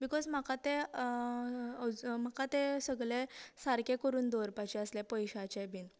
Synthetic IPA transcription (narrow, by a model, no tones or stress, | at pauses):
bikɔzm̤akat̪e | əm̤akat̪esəɡɭesaɾkekəɾuːnd̪oɾpat͡ɕɛəslɛpəjɕat͡ɕebiːn